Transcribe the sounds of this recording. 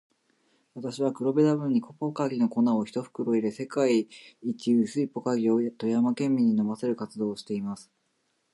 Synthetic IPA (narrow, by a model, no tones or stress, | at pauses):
βat̪aɕiβ̞akɯ̟ɾo̞be̞d̪abɯ̟ɲ̟ːiko̞pokaɡʲino̞ko̞nao̞çi̥t̪o̞ɸɯ̥kɯ̟ɾo̞iɾe̞se̞kaiːt͡ɕiɯsɨipo̞kaɡʲiot̪o̞jamakẽ̞mːʲiɲ̟ino̞mase̞ɾɯ̟kat͡sɨd̪o̞ːɕi̥t̪e̞imasɨ̥